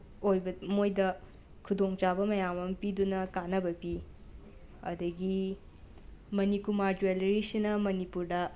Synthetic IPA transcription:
ojbɐmojdɐ | kʰudoŋt͡ʃabɐmɐjamɐmpidunɐkanɐbɐpi | ɐ̰dɐɡi | mɐnikumaɾd͡ʒuelɾisinɐmɐnipuɾdɐ

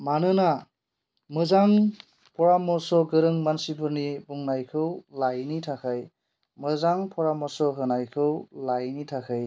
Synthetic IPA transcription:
manɯna | mɯzaŋ | pʰɔɾamɔsɔɡɯɾɯŋmansibɯɾnibuŋnajkʰɯwlajnitʰakʰaj | mɯzaŋpʰɔɾamɔsɔɦɯnajkʰɯwlajnitʰakʰaj

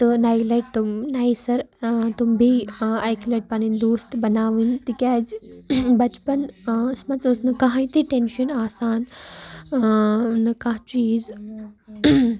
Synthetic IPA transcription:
t̪ɨnailɐʈ̚t̪umnaisɐɾt̪umbʱiajkilɐʈ̚pañind̪oːst̪bɐnaːʋint̪ikʲaːd͡zbɐt͡ɕpɐnsmɐt͡sosnɐkaɦãit̪iʈenɕɐnaːsaːn | nɐkãɦt͡ɕiːd͡z

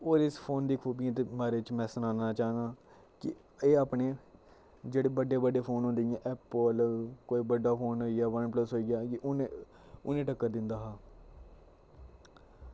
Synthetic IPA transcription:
oːɾɪspʰoːnd̪iːkʰuːbijãːt̪̬eːmaːɾeːɪt͡ʃmɛ̃ːsənãːnaːt͡ʃaːnaː | kɪ | eːaːpɳeː | d͡ʒeːɽeːbəɖːeːbəɖeːpʰoːnɦõnd̪iãːʔɛːpəlkoːiːbəɖːaːpʰoːnɦoːiaːʋənpləsɦoːiːɡaːkɪʊne | ʊnẽːʈəkːəɾd̪ɪnd̪aːɦaː

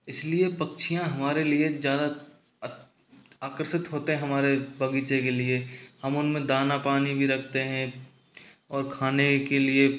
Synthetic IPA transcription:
ɪsliepɐkt͡ʃʰijãɦɐmaːɾeliezjaːd̪a | aːkɾsɪt̪ɦoːt̪eɦɛ̃ɦɐmaːɾebʱɐɡiːt͡ʃekeliehɐmʊnmẽd̪aːnapaːnibʱiɾɐk̚ʰt̪eɦɛ̃ | ɔːɾkʰaːnekelie

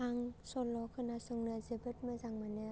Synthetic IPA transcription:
aŋsɔlɔkʰɯnasɯŋnɯzebɯt̚mɯzaŋmanɯ

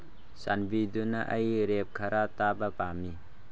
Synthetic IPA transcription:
sa̰nbidunaʔɐjɾep̚kʰaɾat̪abapami

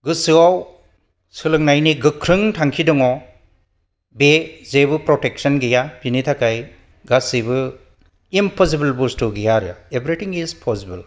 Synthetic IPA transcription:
ɡɯsɯaw | sɯlɯŋnajniɡɯkʰɾɯŋtʰaŋkʰidɔŋɔ | bezebɯpɾɔtek̚sɐnɡijapinitʰakaj | ɡasibɯ | inpʰɔsibɐlbustuɡijaɾja̰ebɾitʰiŋizpʰɔsibɐl

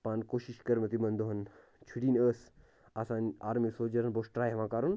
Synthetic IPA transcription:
paːnkoːʃiʃkɐɾmɐt̪imɐnd̪oɦɐn | t͡ʃʰuʈiːnəːs | aːsãːna̰ːɾmisoːd͡ʒɐɾɐnboːsʈɾaːjɦɐʋãːkaːɾun

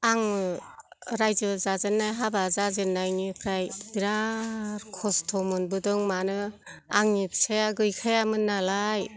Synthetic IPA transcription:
aŋ | ɾajzɯzazɯnːajɦabazazɯnːajnipʰɾajbiɾaɾkʰɔstʰɔmɔnbɯdɯŋmanɯaŋnipseaɡɯjkʰajamɯnːalaj

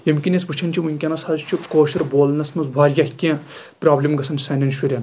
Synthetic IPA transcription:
jɐmkʲinʲɐsbut͡ʃʰɐnʲt͡ʃʰimuŋʲkʲɐnɐsɐzt͡ʃʰikoːʃɐɾboːlnɐsnɐsbʱaːɾʲjɐhʲkʲẽː | pʲɾaːblʲimɡɐsɐnsɐnʲɐnʃuɾʲɐn

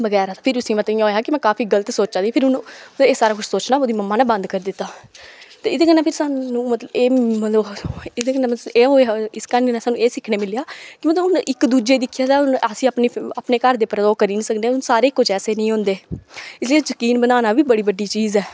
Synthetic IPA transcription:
bəɡɛːɾaːt̪apʰɪɾʊsĩːmət̪ĩãɦoːjaːkɪmɛ̃ːkaːpiːɡələt̪soːt͡ʃaːd̪iːpʰɪɾʊnəeːsaːɾaːkʊt͡ʃʰsoːt͡ʃnaːoːd̪iːməmːaːnɛ̃ːbə̃nd̪kəɾd̪ɪt̪ːaːt̪eːɪd̪eːkənɛ̃ːpʰɪɾsaːnũːmət̪ləbeːmət̪ləbɪd̪eːkənɛ̃meːɦoɪskəneːnɛːsaːnːũːeːsɪkʰneːmɪleaːkɪmət̪ləbʊnɪkd̪uːd͡ʒeːd̪ɪkʰːjaːd̪aːʊnasĩːapneːaːpneːkəɾd̪eːpɾəd̪oːkəɾiːnĩsəkd̪eʊnsaːɾeːkːʊt͡ʃʰɛːseːnəĩːɦõːnd̪eːɪsliːzəkiːnbənaːnaːʋiːbəɽiːbəɖiːt͡ʃiːzɛː

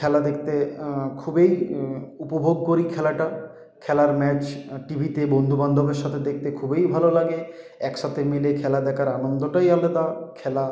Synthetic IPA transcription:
kʰɛlad̪ek̚ʰt̪ekʰubejupobʱoɡ̚koɾikʰɛlaʈa | kʰɛlaɾmɛt͡ɕʈibʱit̪ebond̪ʱuband̪ʱobeɾʃat̪ʰed̪ek̚ʰt̪ekʰubejbʱalolaɡe | ɛkʃat̪ʰemilekʰɛlad̪ɛkʰaɾanond̪oʈajaled̪akʰɛla

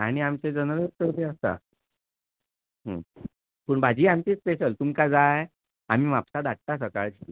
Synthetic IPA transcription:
aɽ̃iamt͡ɕed͡zənəɾəst̪əɾd̪eəst̪a̰ | ɦə̰ | pəːɳbʱad͡ʑiːamt͡ɕiːt͡speɕəlt̪umkad͡zaɦe | am̤iːʋapsad̪aʈ̚t̪as̬əkaɭt͡ɕʰi

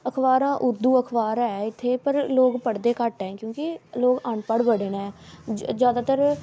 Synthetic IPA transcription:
əkʰbaːɾãːʔʊɾd̪uːəkʰbaːɾɛːɪt̪ʰːeːpəɾloːɡpəɽd̪eːkəʈɛ̃ːkjõːkɪloːɡəɳpəɽbəɽeːnɛ̃ːd͡ʒjaːd̪aːt̪əɾ

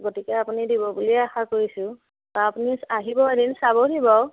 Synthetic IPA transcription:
ɡotikɛapunidibɔbuliɛaxakoɹisʊ̃ | baapunisaɦibɔedinsabɔɦibɔ

